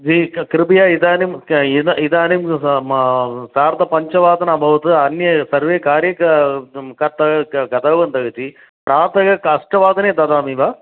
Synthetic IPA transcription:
d͡ʒikɾipijaːid̪aːnimid̪id̪aːnim | saːɾt̪ɐpɐɲt͡ʃɐʋaːd̪ɐnɐbʱɐʋɐt̪ɨɐnjɐsɐɾʋeːkaːɾjɐkɐkɐt̪ːɐɡɐt̪ɐːʋɐnt̪ɐɡɐt̪i | pɾaːt̪ɐɡɐkɐʂʈɐʋaːd̪ɐneːd̪ɐd̪aːmiʋaː

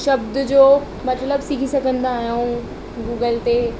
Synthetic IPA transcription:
ʃɐbd̪d͡ʑoː | mɐt̪ləbsikʰisɐɡʱə̃nd̪aːɦjũ | ɡuːɡəlt̪e

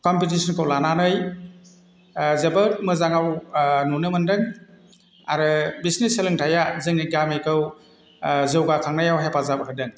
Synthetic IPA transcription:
kɔmpit̬isʰɔnkʰɯwlananɯj | zebɯt̚mɯzaŋawnunɯmɯndɯŋ | aɾɯbisneselɯŋtʰajazɯŋniɡamejkʰɯw | zɯwɡakʰaŋnajawɦepazapɔtʰadɯŋ

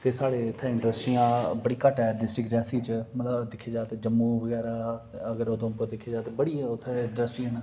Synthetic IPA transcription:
t̪eːsaːɽeːt̪ʰːɛ̃ɪ̃ɳʈɾəsʈɾiːãːbəɽiːkəʈɛːɖɪsʈɾɪkɾɛːsiːt͡ʃmət̪ləbd̪ɪkʰːeːd͡ʒaːt̪ːd͡ʒəmːũːbəɡɛːɾaːəɡəɾoːd̪õːpəd̪ɪkʰːeːd͡ʒaːt̪ebəɽiːʊt̪ʰːɪ̃ɳʈɾəsʈiːɦən

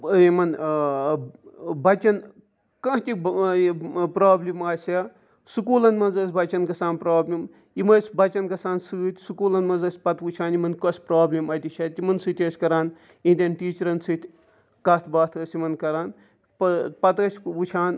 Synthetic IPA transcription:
imɐn | bɐt͡ʃɐn | kɐɦt̪ʲi | pɾaːblimaːsʲe | sukuːlɐnmɐnzɐːsʲbɐt͡ʃɐnkɐsaːnpɾaːblʲim | imɐsʲbɐt͡ʃɐnkɐsaːnsɨːt̪ʲsukuːlɐnmɐnzɐːsʲpɐt̪ut͡ʃʰaːnimɐnkospɾaːblʲimɐt̪it͡ʃʰɐːt̪imɐnsɨt̪ʲɐsʲkɐɾaːn | ĩd̪ʲɐnʈiːt͡ʃɐɾɐnsɨt̪ʲ | kɐst̪ʰbaːt̪ʰɐsʲimɐnkɐɾaːn | ppɐt̪ɐsʲut͡ʃʰaːn

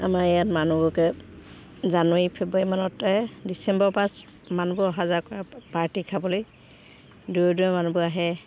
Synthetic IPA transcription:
a̰maɹɛjatmanubɔkɛ | zanwaɹipʰebɹaɹimanɔtːaɛdisɛmbɔɹpãs | manubɔɔɦazaɹkɔɹapaɹtikʰabɔloj | duɔduɛmanubɔaɦɛ

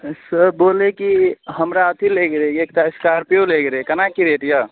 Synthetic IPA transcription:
səbolekiɦəmɾaət̪ʰileɡɾeek̚t̪aiskaɾpeoleɡɾekənakiɾeʈ̪ja

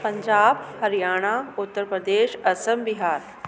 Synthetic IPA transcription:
pɐ̃ɲd͡ʑaːbhɐɾijaːɽ̃aːʊt̪ːəɾpɾəd̪eːʃɐsəmbɪɦaːɾ

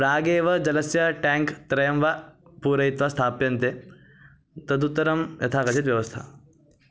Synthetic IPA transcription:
ɾaːɡeːʋɐd͡ʒɐlɐsjɐʈɛːŋkt̪ɾɐjɐmʋapuːɾɐit̪ʋɐst̪ʰaːpjɐnt̪e | t̪ɐd̪ut̪ːɐɾɐmjɐ̰t̪ʰaːkɐt͡ʃit̪ʋjɐʋɐst̪ʰa̰

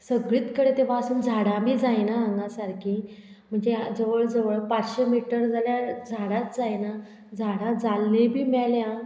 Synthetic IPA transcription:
səɡɭiːt̪kəɽet̪eʋ̤aəsuːnd͡zʱaɽãbʱiːd͡zajnaəŋɡasaɾki | m̤əɳd͡zed͡zəʋəɭd͡zəʋəɭpat͡sɕemiʈəɾd͡zʱaljad͡zʱaɽat̪̚d͡zajna | d͡zʱaɽãd͡zalnẽbʱiːmɛljã

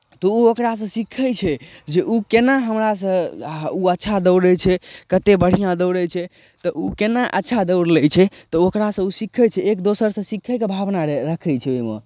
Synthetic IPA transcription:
t̪ɔuokɾas̬ə̃sikʰəjt͡ʃʰɛd͡ʒeʔukenaɦəmɾas̬ə̃uətːʃʰad̪əwɽət͡ʃʰɛkət̪ebəɽ̤ijãd̪əwɽət͡ʃʰɛ | t̪ɔʔukenaʔətːʃʰad̪əwɾlɛjt͡ʃʰɛt̪ɔokɾasə̃usikʰət͡ʃʰɛekd̪osəɾsə̃sikʰəjkebʱabnaɾəkʰəjt͡ʃʰɛojmḛ

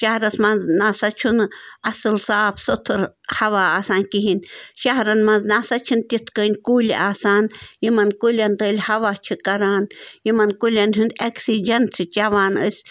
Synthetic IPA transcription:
ʃahɾɐsmɐnznasat͡ʃʰunɐsɨlsaːpsot̪ʰɨɾhɐʋaaːsaːnkiɦinʲʃaɦɾɐnmanznasat͡ʃʰɨnt̪ʲit̪ʰkəːnʲkulʲḭʔaːsaːnjimɐnkulʲant̪əːlʲhaʋat͡ʃʰɨkɐɾaːnjimɐnkulʲanɦund̪ɛksid͡ʒɐnsʰɨt͡ʃaʋaːnə̰sʲ

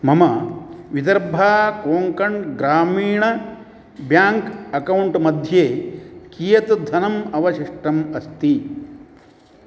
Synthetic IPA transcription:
mɐmɐʋid̪ɐɾbʱaːkoːŋkɐɳɡɾaːmiːɳɐ | bjaːŋkɐkɐwɳʈmɐd̪ʱjeːkijɐt̪d̪ʱɐnɐmɐʋɐʃiʂʈɐmɐst̪i

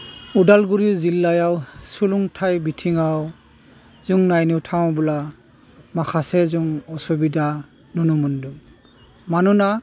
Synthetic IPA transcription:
udalɡuɹizilːajawsuluŋtʰajbitʰiŋaw | zuŋnajniwtʰaw̃bula | makʰasɛzuŋɔsubida | nunumunduŋ | manuna

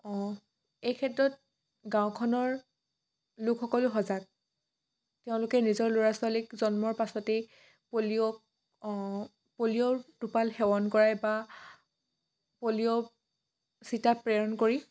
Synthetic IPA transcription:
ɔ̃ | ejkʰɛtɹɔt̚ | ɡaʊ̃kʰɔnɔɹ | lʊkʰxɔkɔlʊɦɔzat̚ | teʊ̃lʊkɛnizɔɹlʊɹaswalikzɔnmɔɹpasɔte | poliɔ | poliɔdupalxɛwɔnkɔɹajba | poliɔ | sitapɹɛɹɔnkoɹi

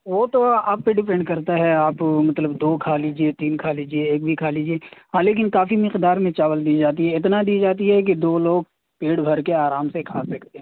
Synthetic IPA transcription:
ʋoːt̪oaːpːeɖɪpɛ̃ɳɖkɐɾt̪aɦɛaːpmɐt̪ləbd̪oːkʰaːliːd͡ʒiet̪iːnkʰaːliːd͡ʒieːk̚bʱikʰaːliːd͡ʒieːɦaleːk̬ɪnkaːfimɪqd̪aːɾmẽt͡ʃaːʋəld̪iːd͡ʒaːt̪̬iɦɛɪt̪nad̪iːd͡ʒaːt̪̬iɦɛk̬id̪oːloːɡ̚ | peːɽbʱɐɾkeaːɾaːmsekʰaːsɐkʰt̪eɦɛ̃ː

